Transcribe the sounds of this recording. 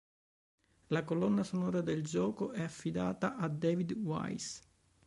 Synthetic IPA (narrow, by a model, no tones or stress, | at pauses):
lakolɔnːasonɔːɾad̪eld͡ʒɔːkoʔɛafːid̪a̰ːt̪aʔad̪ɛːvid̪wa̰js